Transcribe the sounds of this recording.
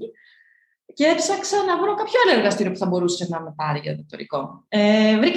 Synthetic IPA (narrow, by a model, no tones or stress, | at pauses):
ceepsɐksɐnɐvuno̞kɐpçoɐloe̞ɾɣɐst̪iɾiopu̥θɐbo̞ɾusenɐmepɐɾiʝɐ̰t̪ot̪o̰ɾḭko̞evɾi